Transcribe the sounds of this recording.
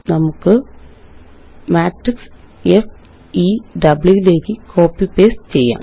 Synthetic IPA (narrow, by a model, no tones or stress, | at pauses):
nɐmukːɨ | maːʈriksef | iːɖɐbɭjuileːkːɨko̞ːpːipeːst͡ɕe̞jːa̰ː